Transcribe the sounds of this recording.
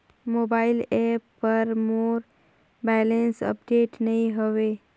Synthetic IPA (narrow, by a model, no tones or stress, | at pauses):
mobaːɪlɛpːəɾmoːɾ | bɛːlensə̰pɖeːʈnəɦĩɦəʋeː